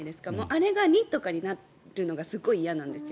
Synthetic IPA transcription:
d̪e̞sɨ̥kamoːʔaɾe̞ɡanʲĩt̪ːo̞kaɲ̟ina | ɾɯ̟no̞ɡasɨɡo̞iːjanãnd̪e̞sɨjo

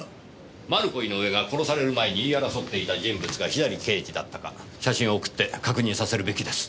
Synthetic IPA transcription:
maɾɯ̟ko̞ino̞ɯe̞ɡako̞ɾo̞saɾe̞ɾɯ̟mae̞ɲ̟iːaɾaso̞t̪ːe̞it̪ad͡ʑĩmbɯ̟t͡sɨɡaçid̪aɾʲike̞ːd͡ʑid̪at̪ːaka | ɕaɕĩɰ̃o̞ːkɯ̟̥t̪ːe̞kakɯ̟ɲ̟ĩsase̞ɾɯ̟be̞kʲid̪e̞sɨ̥

